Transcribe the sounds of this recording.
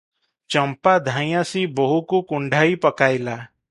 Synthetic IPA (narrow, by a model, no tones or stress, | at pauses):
t͡ʃəmpad̪ʱãːj̃jãsibəɦukukʊɳɖʱaipəkaːjla